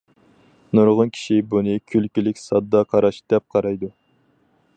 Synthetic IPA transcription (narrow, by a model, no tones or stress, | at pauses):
nuɾʁʊnkʲʰi̥ʃibunɨkʲʰylkʲylɪkʲsɑd̪ːɑqʰɑɾɑʃd̪̥ɛp̚qʰɑɾɑjd̪u